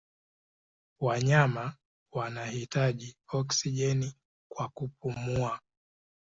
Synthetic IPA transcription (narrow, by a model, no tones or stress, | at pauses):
waɲama | wanahitaʄiɔksiʄɛni | kwakup̚umua